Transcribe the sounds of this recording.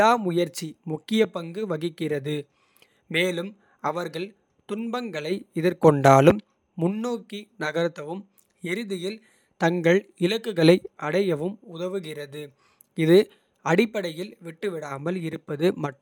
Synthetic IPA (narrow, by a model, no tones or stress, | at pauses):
aːmʊjɐɾt͡ʃːimʊkːɪjɐpɐŋɡɯʋɐɣɪkːɪrɐðɯ | meːlɯm | ɐʋɐɾɣɐɭ | t̪ʊnbɐŋɡɐɭɐɪɪðɪɾkɔɳɖaːlɯmː | ʊnːoːkːinɐɣɐɾt̪ːɐʋɯm | ɛɾɯðɪjɪl | t̪ɐŋɡɐɭɪlɐkːɯɣɐɭɐɪɐɽɐjɐʋɯmʊðɐʋɯɣɪrɐðɯ | ɪðɯ | ɐɽɪpːɐɽɐjɪlʋɪʈːɯʋɪɽaːmɐlɪɾɯpːɐðɯmɐʈː